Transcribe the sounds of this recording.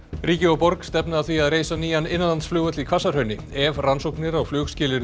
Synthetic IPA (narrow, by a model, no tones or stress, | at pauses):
riːcɪɔpɔɾkst̪ɛpnaðθviaðɾeːjsaniːjanɪnːanansflʏːɣœt̪lɪkʰvasaɾ̥hœɥnɪ | ɛvransowknɪɾawflʏːɣscɪːlɪɾ